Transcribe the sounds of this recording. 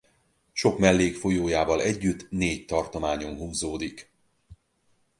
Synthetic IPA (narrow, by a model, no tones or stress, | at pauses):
ʃo̞kmɛlːeːkfo̞joːjaːvɒlɛɟːyt̪ːneːct̪ɒrt̪o̞maːɲo̞nɦuːzoːd̪ik